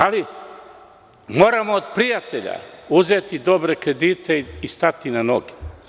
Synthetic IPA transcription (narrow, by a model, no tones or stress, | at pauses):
ali | moːɾamoːd̪pɾijat̪e̞ʎa̰uzet̪id̪o̞bɾekɾe̞d̪iːt̪ʰeist̪at̪inanoɡe̥